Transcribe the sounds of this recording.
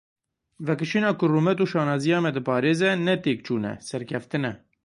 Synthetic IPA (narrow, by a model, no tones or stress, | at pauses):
vɛkɨʃiːnɑːkʊrumɛt̪uːʃɑːnɑːzijɑːmɛd̪ɨpɑːɾeːzɛnɛt̪eːk̚t͡ʃuːnɛ̰sɛɾkʲʰɛft̪ɨnɛ